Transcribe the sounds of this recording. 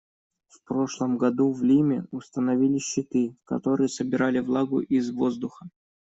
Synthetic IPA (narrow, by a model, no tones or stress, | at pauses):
fpɾo̞ʂlˠəmɡɐd̪uvlʲimʲɪ̰ʊst̪ənɐvʲilʲɪɕːɪt̪ɨkɐ̰t̪o̞ɾɨjəsəbʲɪɾalʲɪvlˠaɡʊ̰ʔizvo̞zd̪ʊxə